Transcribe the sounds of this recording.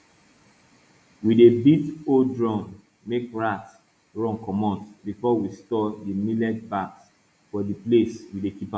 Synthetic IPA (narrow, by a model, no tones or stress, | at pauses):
widebitodɹɔ̃n | mekɹats | ɹɔ̃ŋkʰɔmɔ̃ntbifɔwistɔdimilɛt̚baks | fɔdipleswidekipa